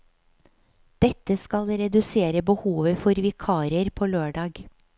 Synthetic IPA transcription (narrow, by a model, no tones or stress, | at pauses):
d̪̥ɛt̪əskɑlɾɛd̪ʉseːɾəbəhuːʋəfɔɾʋɪkʰɑːɾəɾpʰoːløːɖɑːɡ